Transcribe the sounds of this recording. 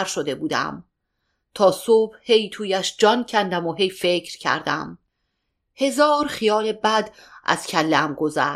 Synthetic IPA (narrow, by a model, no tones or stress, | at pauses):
ɾʃod̪e̞buːd̪æ̰m | t̪ʰɒːsob̥he̞jt̪ʰuːjæʃd͡ʒɒːncʰænd̪æmoɦe̞jfe̞cʰɾcʰæ̰ɾd̪æ̰m | he̞zɒːɾχijɒːlebæd̪ʔæ̰z̥cʰælːeæmɡo̞zæː